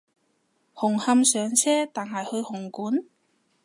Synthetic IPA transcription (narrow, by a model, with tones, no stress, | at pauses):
hʊ˨˩ŋhɐ˧msœː˨˧ŋt͡sʰɛː˥t̪aː˨nhɐ˨˩jhɵ˧ɥhʊ˨˩ŋkuː˨˥n